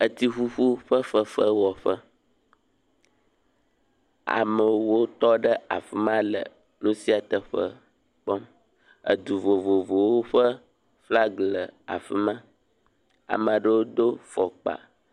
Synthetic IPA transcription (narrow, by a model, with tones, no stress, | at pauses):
ə˨t̪i˦ɸu˦ɸu˦ɸə˦fə˦fə˦wɔ˨ɸə˦ | a̰˨mə˨wo˦t̪ɔ˦ɖə˦a̰˨fi˦mã˦lə̰˨ | nũ˦si˦a˨t̪ə˨ɸə̰˦ | k͡pɔ˦m | ə̰˨d̪u˨vo˨vo˨vo˨wo˦ɸə˦ | fla˦ɡlə˨a̰˨fi˦mã˦ | a̰˨mə̃˨ɖə˦wo˦d̪o˦fɔ˨k͡pa̰˨